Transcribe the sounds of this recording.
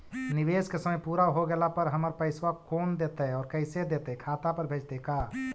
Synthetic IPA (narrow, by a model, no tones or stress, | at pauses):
nɪʋeːskesəməjpuːɾaɦoɡɛlapəɾɦəməɾpəɪswakʰoːnd̪eːt̪ɛɔːɾkəɪsed̪eːt̪ɛkʰaːt̪apəɾbʱeːd͡ʒt̪ekaː